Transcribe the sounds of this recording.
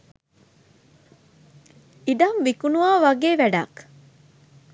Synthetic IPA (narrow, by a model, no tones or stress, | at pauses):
id̪ɐnʋikunuaːʋɐɡeːʋæɖa̰k